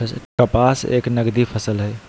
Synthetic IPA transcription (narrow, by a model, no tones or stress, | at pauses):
kəpasḛknəɡd̪ipʰəsəlɦəj